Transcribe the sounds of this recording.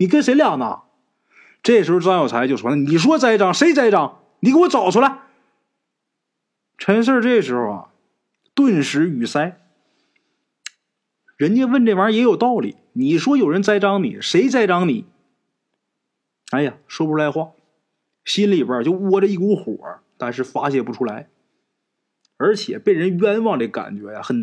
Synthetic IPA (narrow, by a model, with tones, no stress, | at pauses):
ni˨˩ke˥se˧˥ɪljɑ˥˩ŋnə̰˦˨˩ | ʈ͡ʂɤ˥˩əʂɻ̩˧˥xo˧˩ʈ͡ʂɑ˥ŋjo˨˩t͡sʰa˧˥ɪt͡ɕjo˥˧ʂʂwɔ˥n˥˧ni˨˩ʂ̬wɔ˥t͡sa˥˩ɪʈ͡ʂɑ˥ŋʂe˧˥ɪt͡sa˥˧ɪʈ͡ʂɑ˥ŋ | ni˨˩kə˥wɔ˧t͡sɑ˨˩ʊʈ͡ʂʰu˥˩la˨˧˦ɪ | ʈ͡ʂʰɛ˧˥ns̬ə˞˥˧ʈ͡ʂe˥˩ɡəʂɻ̩˧˥xo˧ʊɐ̰˩ | t̪wə˥˧nʂɻ̩˧˥y˨˩sa˥ɪ | ɻə˧˥nt͡ɕjɛ˥nwə˥˧nʈ͡ʂe˥˩ə˞˧˥jɛ˧˥jo˨˩ʊt̪ɑ˥˩ʊlḭ˨˩˦ | ni˨˩ʂwɔ˥jo˨˩ʊɻə˧˥nt͡sa˥˩ɪʈ͡ʂɑ˥ŋnḭ˨˩˦ʂe˧˥ɪt͡sa˥˧ɪʈ͡ʂɑ˥ŋni˨˩˦ | a˧˥˩ɪja˨ʂwɔ˥pu˧ʈ͡ʂʰu˥˩a˧˥ɪxwa˥˩ | ɕi˥nli˨˩bə˞˧˩t͡ɕjo˥˩ʊwɔ˥ʈ͡ʂə˧i˥˩ku˧˥xwɔ̰˨˩˦t̪a˥˧nʂ̬ɻ̩˥˩fa˥ɕjɛ˥˩pu˧˥ʈ͡ʂʰu˥la˧˥ɪ | ə˞˧˥t͡ɕʰjɛ˨˩pe˥˩ɪɻə˧˥nɥɛ˥nwɑ˥˧ŋə˧˩ɡə˧ka̰˨˩nt͡ɕɥɛ̰˧˥ja̰˧xə˨˩n